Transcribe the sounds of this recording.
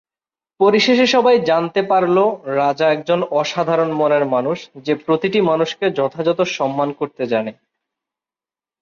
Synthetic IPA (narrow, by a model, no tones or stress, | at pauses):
poɾiʃeʃeʃɔbajd͡ʑant̪epaɾloɾad͡ʑaɛk̚d͡ʑonɔʃad̪ʱaɾonmoneɾmanuʃd͡ʑepɾot̪iʈimanuʃked͡ʑɔt̪ʰad͡ʑɔt̪oʃɔmːankoɾt̪ed͡ʑane